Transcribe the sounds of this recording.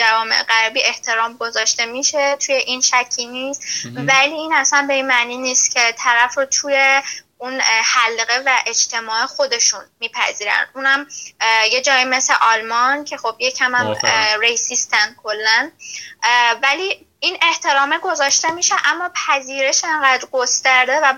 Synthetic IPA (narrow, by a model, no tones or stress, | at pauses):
d͡ʒævɒːme̞̰ʔeɢæɾbiːe̞ht̪ʰe̞ɾɒːmɡo̞zɒːʃt̪e̞miːʃe̞t̪ʰuːjeʔinʃæcʰːiːnist̪væliːiːnæsænbe̞inmæniːniːst̪cʲʰe̞t̪ʰæɾæfɾot̪ʰuːje̞ | unhælɣe̞væʔe̞d͡ʒt̪ʰe̞mɒːexo̞d̪e̞ʃunmiːpʰæ̰ziːɾæ̰nd̪ʔunhæmje̞d͡ʒɒːjime̞slḛʔɒlmɒncʰe̞xo̞b̥je̞cʰæmæmɾeisiːst̪ænd̪̚kʰo̞lːæn | væliː | inʔe̞ht̪ʰe̞ɾɒːmeɡo̞zɒːʃt̪e̞miːʃeʔæmːɒːpʰæziːɾe̞ʃeŋɢæd̪ɾɡost̪æɾd̪e̞væ